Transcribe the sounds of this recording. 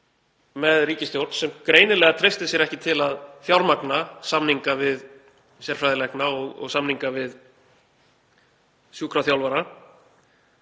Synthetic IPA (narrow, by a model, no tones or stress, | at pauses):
mɛðriːcɪst̪jowɾt̪nsɛmkɾeːjnɪlɛːɣat̪ʰɾejst̪ɪsjɛɾɛhcɪt̪ʰɪlaðθjawɾmaknasamniŋkavɪð | sjɛɾ̥fɾajðɪlɛhknaɔɣɔ̰ɣsamniŋkavɪð | sjuːkʰɾaθjawlvaɾa